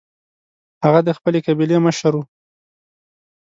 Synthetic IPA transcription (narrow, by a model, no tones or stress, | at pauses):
haɣad̪əxpəlekabileməʃaɾwu